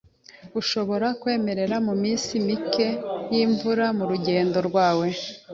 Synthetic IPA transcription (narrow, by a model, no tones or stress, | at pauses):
uʃo̞βo̞ɾakwe̞ːme̞ɾe̞ɾamumiːnsimike̞jiːɱvuɾamuɾuɟe̞ːndo̞ɾɡwaːwe̞